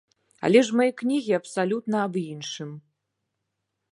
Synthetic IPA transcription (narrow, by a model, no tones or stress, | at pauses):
a̰lʲɛʂmajɛknʲiɣʲiɐpsalʲut̪nɐːbinʂɨm